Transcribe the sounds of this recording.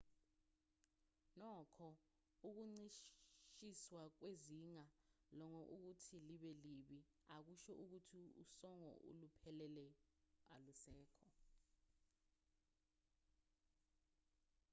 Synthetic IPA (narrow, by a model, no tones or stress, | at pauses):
nɔkʰɔ | uk̬uŋ͡ǀiʃʃiswak̬weziŋalɔŋɔʔuk̬utʰiliɓɛliɓi | ak̬uʃɔʔuk̬utʰiṵsɔŋɔ̰ʔṵlupʰɛlɛlɛalusɛːkʰɔ